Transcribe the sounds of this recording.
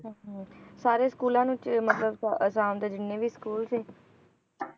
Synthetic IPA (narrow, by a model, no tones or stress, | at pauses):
ɦːɦsaːɾeːskuːlãːnũːt͡ʃmət̪ləbsəsãːmd̪eːd͡ʒɪnːẽːʋiːskuːlseː